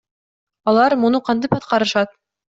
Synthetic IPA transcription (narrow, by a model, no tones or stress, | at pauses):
ɒlˠɑɾmŭnɤqɑnt̪̬ɤpɒt̪̚qɑɾɤ̆ʃɑt̪̚